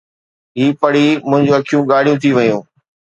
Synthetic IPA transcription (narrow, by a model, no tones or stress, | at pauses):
ɦiːpɐɽimʊ̃ɦɪ̃ɲd͡ʑuːɐkʰijũɡaːɽ̤ijũt̪ʰiʋɐjũː